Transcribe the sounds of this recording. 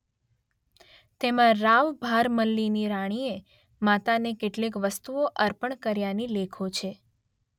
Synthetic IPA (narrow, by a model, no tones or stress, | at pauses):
t̪emãɾaʋbʱaɾməlːiniɾaɽ̃ie | mat̪anekeʈlekʋəst̪uoʔəɾpəɳkəɾjanilekʰot͡ʃʰe